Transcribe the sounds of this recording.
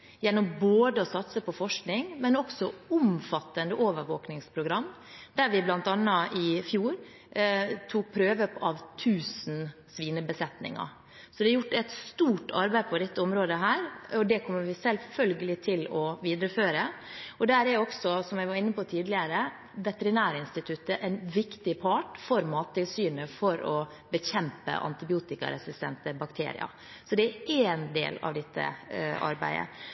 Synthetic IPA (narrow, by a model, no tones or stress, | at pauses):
jɛnːɔmboːd̪əɔsɑt̪səpʰɔfɔʂknɪŋmɛnɔksɔʊmfɑt̪ːənd̪əʔoːʋəɾʋoːknɪŋspʰɾʊɡɾɑmː | d̪æɾʋɪblɑnt̪ɑnːɑʔɪfjuːɾ | t̪ʰuːk̚pʰɾøːʋəpɑʋt̪ʰʉːsn̩ | sʋiːnəbəsɛt̪nɪ̰ŋɑ̰ | sɔd̪ɛɑɾjʊʈːɛt̪st̪uːʈɑ̰ɾbæɪpʰɔd̪ɛt̪ːəɔmɾoːd̪əɦæːɾɔd̪ɛkʰɔmːəɾʋɪsɛlfœlɡəlɪt̪ʰɪlɔʋiːd̪ɾəføːɾəɔd̪ɛæːɾæɾɔksɔsɔmjæɪʋɑɾɪnːəpɔt̪ʰiːd̪lɪəɾə | ʋɛt̪ɛɾɪnæːɾəɪnst̪ɪt̪ʰʉt̪ːəʔɛɪnʋɪkt̪ɪpʰɑːʈfɔɾmɑːt̪ʰːɪlsyːnəfɔɾɔ | bəçɛmpə̰ʔɑ̰nt̪ɪbɪuːt̪ɪkɑ̰ɾɛsɪst̪ɛ̰nt̪əbɑkt̪ʰḛːɾɪ̰ɑ̰ | sɔd̪ɛæɾeːnd̪ḛːlɑ̰ʋd̪ɛt̪ʰːə̰ʔɑ̰ɾbæ̰ɪə̰